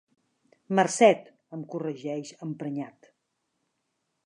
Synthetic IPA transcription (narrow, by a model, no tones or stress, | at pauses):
mərsɛt̪ | əmkurəʒɛʃəmpɾəɲat̪